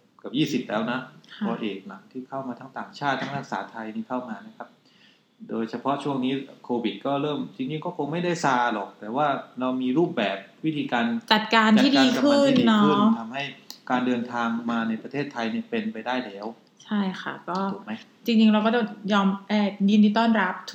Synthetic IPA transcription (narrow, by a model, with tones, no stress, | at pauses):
ka˨˩p̚jiː˥˩si˨˩p̚lɛː˦˥wna˦˥kʰɔː˧ʔeː˨˩k̚na˩˦ŋt̪ʰiː˥˩kʰa˥˩wmaː˧t̪ʰa˦˥ŋt̪aː˨˩ŋt͡ɕʰaː˥˩t̪ʰːa˦˥ŋɾa˦˥k̚saː˩˦t̪ʰa˧jniː˥˩kʰa˥˩wmaː˧na˦˥kʰa˦˥p̚ | doː˧jt͡ɕʰa˧pʰɔ˦˥ʔt͡ɕʰu˥˩əŋniː˦˥kʰoː˧wi˨˩t̪̚kɔː˥˩ɾɤː˥˩mt͡ɕi˧ŋt͡ɕi˧ŋkɔː˥˩kʰo˧ŋma˥˩jda˥˩jsaː˧lɔ˨˩k̚t̪ɛː˨˩waː˥˩ɾa˧wmiː˧ɾuː˥˩p̚bɛː˨˩p̚wi˦˥t̪ʰiː˧kaː˧nt͡ɕa˨˩t̪̚kaː˧nt͡ɕa˨iː˥˩dkaː˧ka˧kʰɯ˨˥˩nː˧ɔ˦˥ɯ˥t̪ʰa˧mha˥˩jkaː˧ndɤː˧nt̪ʰaː˧ŋmaː˧na˧jpɾa˧t̪ʰeː˥˩t̪ʰːa˧jni˥˩əpe˧npa˧jdaː˥˩jlʰɛː˨˦w | t͡ɕʰa˥˩jkʰa̰˥˩kɔː˥˩˨ma˦˥j | t͡ɕi˧ŋt͡ɕi˧ŋɾa˧wk̬ɔ˥˩ɔ˥˩ŋjɔː˧mʔɛː˧˩di˧nʰiː˥˩t̪ɔː˥˩nɾa˦˥p̚t̪ʰ